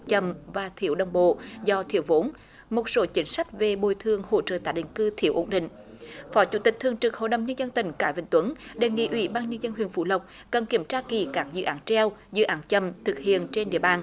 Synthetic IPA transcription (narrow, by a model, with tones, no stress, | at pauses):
t͡ɕə˨˩mvaː˨˩t̪ʰi˧˩əwɗə˨˩wŋ͡mɓo̰˧˨zɔ˧t̪ʰḭ˧˩əwvo˨˦n | mo˨˩t̚so˨˦t͡ɕï˨˦ŋ̟sa˦˥jk̟̚ve˨˩ɓo˧˨jt̪ʰɨ˨˩əŋho̰˧˨t͡ɕə̰ː˧˨˩t̪aː˧˩jɗḭ˧˨ŋ̟kɨ˧t̪ʰi˧˩əwʔo˨˦nɗḭ̈˧˨ŋ̟ | fɔ˨˦t͡ɕṵ˧˩t̪ï˨˩k̚t̪ɨ˨˩əŋt͡ɕɨ˨˩k̚ho̰˧˨jɗə˨˩wŋ͡mɲə˧nzə˧nt̪ï˧˩ŋ̟kaː˧˩jvï˧˨˩ŋt̪wə˨˦nɗe˨˩ŋḭ˧˥ʔwḭ˧˦ɓaː˧nɲə˧nzə˧nhwḭ˧˨ənfṵ˧˩˦lə˨˩wk͡p̚ | kə˨˩nki˧˩əmt͡ɕaː˧ki˧˩kaː˦˥k̚zɨ̰˧˨ʔaː˨˦nt͡ɕɛ˧wzɨ̰˧˨ʔaː˨˦nt͡ɕə˧˨˩mt̪ʰɨ˨˩k̚hḭ˧˨ənt͡ɕe˧nɗḭ˧˨əɓaː˨˩n